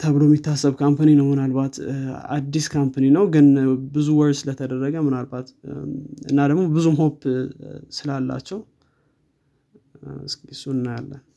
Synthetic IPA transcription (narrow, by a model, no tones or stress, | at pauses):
t̪ʰəβɨlomit̪ʰːasːəβkʰampʰaninəwmɨnalbat̪a̰d̪ːiskʰampʰaninəwɡɨnbɨzuwɔɾsɨlət̪ʰəd̪ərːəɡəmɨnalbat̪ | ɨ̰nːad̪əɡmo̞bɨzumɦo̞pː | sɨlalːa̰t͡ʃːɛw | ɨsksunːjalːə